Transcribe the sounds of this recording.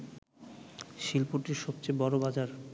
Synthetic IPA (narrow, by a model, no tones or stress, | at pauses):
ʃilpoʈiɾʃɔbt͡ɕebɔɾobad͡ʑaɾ